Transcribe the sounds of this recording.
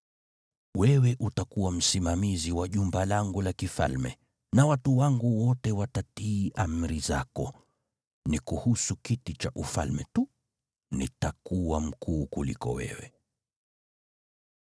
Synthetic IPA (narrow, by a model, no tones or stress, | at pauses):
wɛwɛʔutakuwam̩simamiziwaʄumbalaŋɡulakifa̰lmɛ̰ | nawatuwaŋɡuwɔtɛwatatiːʔam̩ɾizakɔ | nikuhusukitit͡ʃaʔufa̰lmɛtu | nḭtakuwam̩kuːkulḭkɔ̰wɛ̰wɛ